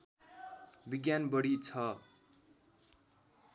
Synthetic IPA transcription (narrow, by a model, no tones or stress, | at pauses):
biɡjanbʌɽit͡sʰʌ